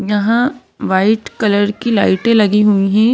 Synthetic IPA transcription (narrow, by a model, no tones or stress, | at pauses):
jɐɦã | ʋaːɪʈkɐləɾkilaːɪʈẽlɐɡiɦuiɦɛ̃ː